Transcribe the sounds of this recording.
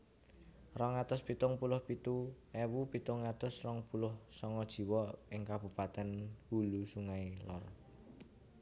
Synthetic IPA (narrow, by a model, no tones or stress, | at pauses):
rɔŋat̪ʊspit̪ʊŋpulʊhpit̪u | ɛwupit̪ʊŋːat̪ʊsrɔŋpulʊhsɔŋɔd̥ʒ̥i̤wɔɪŋkab̥ṳpat̪ɛnhulusuŋailɔ̰r